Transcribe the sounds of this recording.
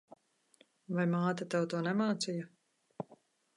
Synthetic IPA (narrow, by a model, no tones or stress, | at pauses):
vajmaːt̪at̪awt̪uːnɛmaːt̪sija